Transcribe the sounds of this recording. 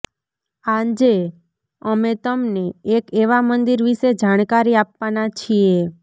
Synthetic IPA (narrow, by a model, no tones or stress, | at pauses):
ãɲd͡ʒe | əmet̪əmneːkeʋamənd̪iɾʋiʃed͡ʒaɽ̃kaɾiapʋanat͡ʃʰie